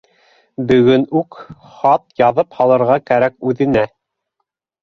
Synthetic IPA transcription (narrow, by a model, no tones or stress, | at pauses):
bɵ̆ɡɵnʉk | χɑt̪̚jɑðɤphɑlˠɤ̆ɾʁɑkæɾækʉðɘ̆næ